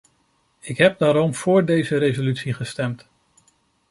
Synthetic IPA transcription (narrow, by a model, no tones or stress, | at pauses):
ɪkɦɛp̚daːɾɔmv̥ʊːɹdejzəɾejzolytsiχəstɛmt